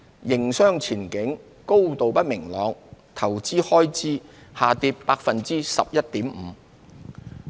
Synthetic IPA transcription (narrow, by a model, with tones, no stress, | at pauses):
jɪ˨˩ŋsœː˥ŋt͡sʰiː˨˩nkɪ˨˥ŋ | ko˥wt̪o˨wpɐ˥t̚mɪ˨˩ŋlɔː˨˧ŋt̪ʰɐ˨˩wt͡siː˥hɔː˥jt͡siː˥haː˨t̪iː˧pːaː˧k̚fɐ˨nt͡siː˥sɐ̰˨p̚jɐ˥t̚t̪iː˨˥mm̩˨˧